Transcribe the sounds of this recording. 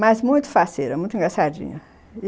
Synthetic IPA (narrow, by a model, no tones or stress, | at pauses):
mɐzmũj̃t̪ʊ̥faseɾɐmũj̃t̪ʊĩɡɾasad͡ʒḭ̃ɲɐ